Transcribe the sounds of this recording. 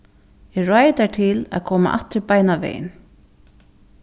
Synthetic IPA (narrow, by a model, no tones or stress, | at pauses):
ɛrɔːjt̪aʈ̪ʰɪla̰ðkʰɔːma̰ʔa̰ht̪ɾpajnavḛːjɪ̰n